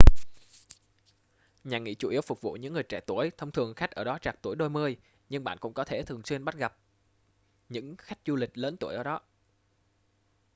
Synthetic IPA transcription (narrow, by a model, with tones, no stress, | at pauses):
ɲaː˨˩ŋḭ˧˥t͡ɕu˧˩ʔi˨˦əwfʊ˨˩k͡p̚vṵ˧˨ɲɨ̰˧˥ŋːɨ˨˩əjt͡ɕɛ˧˩t̪u˧˩əjt̪ʰə˧wŋ͡mt̪ʰɨ˨˩əŋxa˦˥k̚ʔəː˧˩ɗɔ˨˦t͡ɕaː˨˩k̚t̪u˧˩əjɗo˧jmɨ˧əj | ɲɨ˧ŋɓa̰ː˧˨nkʊ̰˧˥ŋ͡mkɔ˨˦t̪ʰe˧˩t̪ʰɨ˨˩əŋswi˧ənɓa˦˥t̚ɣa˨˩p̚ | ɲɨ̰˧˥ŋxa˦˥jk̚zu˧lï˨˩k̟̚ləː˨˦nt̪u˧˩əjʔəː˧˩ɗɔ˨˦